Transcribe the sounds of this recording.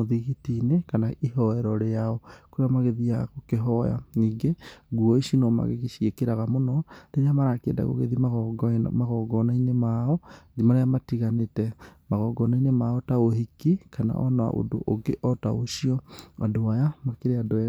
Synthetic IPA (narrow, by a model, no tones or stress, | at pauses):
oðiɣitinekanaiɦɔɛɾɔɾeaɔkoɾeamaɣeðiakokeɦɔja̰niːŋɡeɡuɔiʃinɔma̰ɣḛɣeʃiekeɾaɣamonɔɾeɾeamaɾakḛnda̰ɣo̰ɣḛðimaɣmaɣɔɡɔnainemaɔd͡ʒimaɾeamatiɣanetɛmaɣɔɡɔnainemaɔtaoɦikikʰana̰ʔɔ̰naa̰ʔo̰do̰ʔoɡeʔɔta̰oʃiɔadoajamakeɾeado